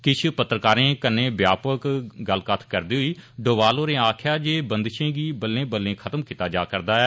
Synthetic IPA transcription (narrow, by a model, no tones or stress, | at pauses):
kɪt͡ʃʰpət̪ːɾəkaːɾẽːkənːẽːbjaːpəkɡəlkət̪ʰkəɾd̪iːɦʊiːɖoːʋaːloːɾẽːaːkʰjaːd͡ʒeːbənd̪ʃẽːɡiːbəlːẽːbəlːẽːkʰət̪əmkit̪aːd͡ʒaːkəɾd̪aːɛː